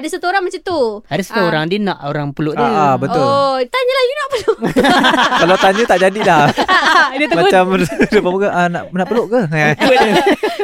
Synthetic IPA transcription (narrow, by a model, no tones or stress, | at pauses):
adasat̪uoɾaŋmat͡ʃamt̪uaɾʊst̪uoɾaŋdina̰ʔoɾaŋpəlʊʔdəbət̪ʊlt̪aɲəlahjunaʔpəlʊ | kalat̪aɲət̪aʔd͡ʒadilah | dət̪əmat͡ʃamdəpamukaʔənaʔnaʔpəlʊʔkəabəə